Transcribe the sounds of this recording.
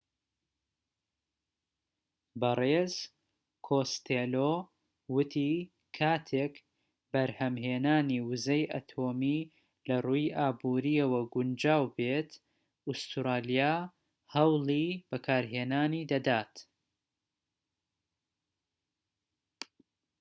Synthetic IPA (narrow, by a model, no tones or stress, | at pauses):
bɐrez | kʰost̪ʰelo | wʊt̪ʰi | kʰaːt̪ʰek | bɐɾhɐmheːnaːniwʊzɐjʔɐ̰t̪ʰoːmi | lɐruːjʔaːbuːɾijɐwɐɡʊnd͡ʒaːwbet̪ | ʔust̪ɾaːlijaː | hɐwlˠib̥ɐkʰaːɾɦeːnaːnid̪ɐd̪aːt̪